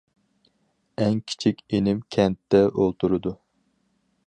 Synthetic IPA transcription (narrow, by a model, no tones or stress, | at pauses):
ɛŋkʲʰi̥t͡ʃʰikʲenɪmkʲʰɛnt̪ːɛʔolˠt̪ʰuɾɨd̪u